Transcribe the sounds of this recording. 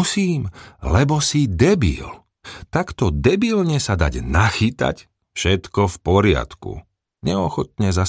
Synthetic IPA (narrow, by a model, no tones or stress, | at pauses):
siːmlɛbɔsid̪ɛbḭl | t̪akt̪ɔd̪ɛbilɲɛsad̪a̰ɟnaxit̪a̰c | fʃɛt̪kɔfpɔɾɪa̰t̪kṵ | ɲɛɔxɔt̪̚ɲɛza